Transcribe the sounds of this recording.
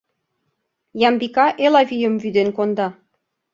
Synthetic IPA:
jɑmbikɑʔelɑvʲijə̆mvyd̪enkond̪ɑ

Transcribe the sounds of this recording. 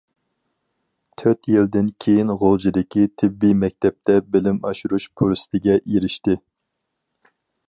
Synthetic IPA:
t̪ʰøɾt̪jild̪ɪnkʲʰejinʁolˠd͡ʒid̪ɪkʲit̪ʰɪbːimɛk̚ʲt̪ʰɛp̚t̪ɛbɪlɪmɑ̰ʃuɾuʃpʰoɾst̪ʰɪɡʲɛjeɾɪʃt̪ɪ

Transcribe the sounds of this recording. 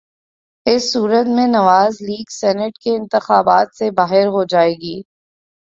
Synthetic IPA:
ɪsːuːɾət̪mẽnɐʋaːzliːɡsɛːnəʈkeɪ̃nt̪ɪxaːbaːt̪sebaːɦɪɾɦod͡ʒaːeːɡiː

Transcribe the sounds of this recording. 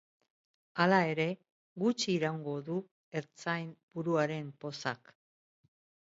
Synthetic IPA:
alae̞ɾe̞ | ɣut͡ʃiːɾawŋɡo̞ðu | e̞ɾt͡sajmb̥uɾuaɾe̞mpo̞sak

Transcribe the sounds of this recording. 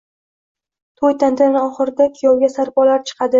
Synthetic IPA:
t̪ʰojt̪ʰant̪ʰanɒχɨɾɪd̪akʲʰijɒwɡʲasaɾpɒlaɾt͡ʃʰɨ̥qʰɑd̪ɪ

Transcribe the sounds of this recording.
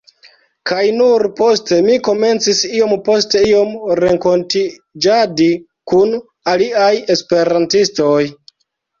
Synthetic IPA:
kʰajnuɾpo̞ste̞miko̞me̞nt͡sisio̞mpo̞ste̞io̞mɾe̞ŋko̞ntid͡ʒadi | kun | aliaje̞spe̞ɾantisto̞j

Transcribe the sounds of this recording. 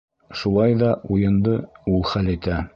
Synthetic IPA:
ʃulˠɑjðɑʔujɤ̆nd̪ɤulˠχælɘt̪æ

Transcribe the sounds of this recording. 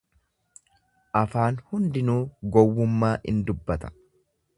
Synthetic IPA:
ʔɐfaːnhʊnd̪ɪnuːɡɔwːʊmːaːʔɪ̰nd̪ʊbːɐt̪ɐ̥

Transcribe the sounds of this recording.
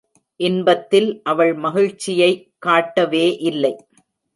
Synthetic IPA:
ʔɪnbɐt̪ːɪlʔɐʋɐɭmɐɣɪɻt͡ʃːɪjɐɪkːaːʈːɐʋeːʔɪlːɐɪ

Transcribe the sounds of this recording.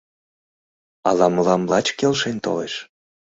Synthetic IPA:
ɑlɑməlɑmlɑt͡ɕkelʃent̪o̰leʃ

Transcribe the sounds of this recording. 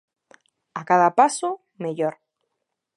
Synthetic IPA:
akaðapaso | meʎoɾ

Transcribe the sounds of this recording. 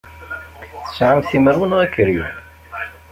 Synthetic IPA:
θə̥sʕamθiməɾwənʊʁækːəɾjṵ

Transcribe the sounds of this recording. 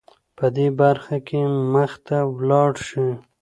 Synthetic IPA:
pəd̪ebaɾxakʰeməxt̪awlɑɽʃi

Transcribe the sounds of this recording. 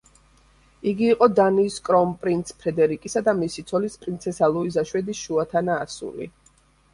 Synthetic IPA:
iɡiːqʼɔd̪aniskʼɾɔmpʼɾint̪sʰpʰɾɛd̪ɛɾikʼisad̪amisit̪sʰɔlispʼɾint̪sʰɛsalˠuizaʃwɛd̪isʃuat̪ʰanaːsṵlḭ

